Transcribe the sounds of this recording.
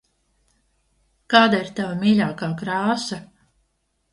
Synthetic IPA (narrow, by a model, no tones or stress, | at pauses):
kaːd̪aiɾt̪avamiːlʲaːkaːkɾaːsa